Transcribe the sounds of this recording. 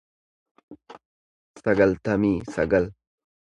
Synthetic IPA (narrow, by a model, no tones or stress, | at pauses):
sɐɡɐlt̪ɐmiːsɐ̰ɡɐl